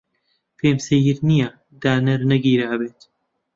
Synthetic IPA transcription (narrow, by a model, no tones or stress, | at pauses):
feːmsɐjiɾnija | d̪aːnɐɾnɐɡiːɾabeːt̪